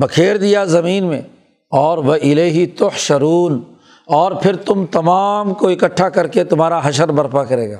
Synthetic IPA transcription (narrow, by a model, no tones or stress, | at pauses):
bɐkʰeːɾd̪ijazɐmiːnmẽ | ɔːɾʋɐʔɪleːɦit̪ʊhʃɐɾuːn | ɔːɾpʰɪɾt̪ʊmt̪ɐmaːmkoɪkɐʈʰːakɐɾket̪ʊmaːɾaɦɐʃəɾbɐɾpakɐɾeːɡaː